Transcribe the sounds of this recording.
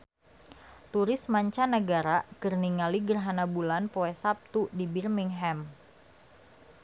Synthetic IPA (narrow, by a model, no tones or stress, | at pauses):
t̪uɾɪsmaɲt͡ʃanəɡaɾakərniŋaliɡərɦanabulanpoɛsap̚t̪udibirmiŋɦɛm